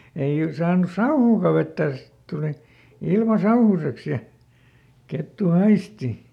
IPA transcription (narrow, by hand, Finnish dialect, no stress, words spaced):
ei y sɑːnus̆ sɑuhuːkɑ ʋetːæˑs sit tuli ilmɑ sɑuhuseks jɑ ketːu hɑisti